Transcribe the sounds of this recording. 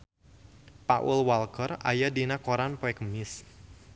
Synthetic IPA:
paʔulwalkəra̰jadinakoɾanpɔɛkəmɪs

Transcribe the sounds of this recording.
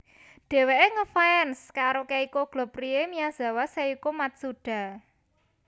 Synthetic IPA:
ɖ̪̥e̤weʔeŋəfaɛnskaɾokeikoɡ̥lɔ̤priemijaz̥a̤waseikumat̪̚suɖ̥a̤

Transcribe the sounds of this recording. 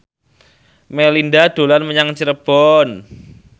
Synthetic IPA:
melindad̪̥o̤lanməɲaŋt͡ʃiɾəb̥ɔn

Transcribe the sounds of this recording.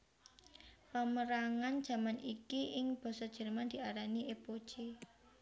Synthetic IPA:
pəməɾaŋand̥ʒ̥ä̤manʔikiʔɪŋb̥ɔ̤sɔd̥ʒ̥ə̤rmand̪̥i̤ʔaɾaniʔepo̥t͡ʃe

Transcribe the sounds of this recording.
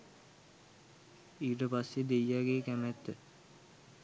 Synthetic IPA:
iːʈəpasːed̪ejːaɡeːkæmæt̪ːə

